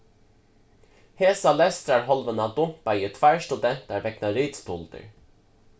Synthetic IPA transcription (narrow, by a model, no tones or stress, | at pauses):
heːsɑlɛst̪ɾæːɹɦɔlʋənɑd̪ʊmpɑjət̪ʰʋæːɹʃtʉd̪ɛnt̪æɾʋɛknɑɾiːt̪st̪ʊld̪ə̰ɹ